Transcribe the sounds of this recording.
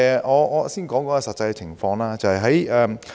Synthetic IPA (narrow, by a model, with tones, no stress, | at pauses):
ɔː˨˧ɔ˨˧siː˥˩nkɔː˨˥ŋkɔː˧˥ɐ˧sɐ˨t̚t͡sːɐ˧jɛ˧t͡sʰɪ˨˩ŋfɔː˧ŋlaː˥t͡sɐ˨˧hɐ˨˩jɦɐ˨˥jɛː˧m